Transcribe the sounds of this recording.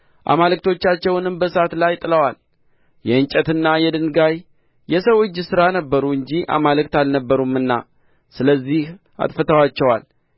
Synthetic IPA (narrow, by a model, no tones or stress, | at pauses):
ʔa̰malɨk̚t̪ʰo̞t͡ʃːat͡ʃːɛwnɨmbəsat̪lajt̪ʼɨləwal | jɛɨnt͡ʃʼɛt̪ɨnːajɛd̪ɨnɡaj | jɛsəwɨd͡ʒːsɨɾanəbːəɾuɨɲd͡ʒiʔa̰malɨkt̪alnəbːəɾumɨnːa̰ | sɨləzːih | ʔa̰t̪ʼfət̪ʰəwat͡ʃːɛwal